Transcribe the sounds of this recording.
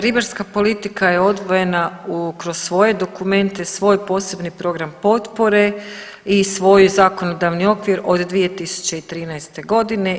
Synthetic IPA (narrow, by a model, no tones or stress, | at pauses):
ɾibaɾskapo̞lit̪ikajeo̞d̪ʋo̞je̞naukɾossʋo̞je̞d̪o̞kume̞nt̪e̞sʋo̞ːjpo̞ːse̞bnipɾo̞ɡɾampo̞t̪po̞ɾe̞ | isʋo̞jzako̞no̞d̪aʋnio̞kʋiɾo̞d̪d̪ʋije̞t̪isu̥t͡ɕe̞it̪ɾiːnajst̪e̞ɡo̞d̪ine̞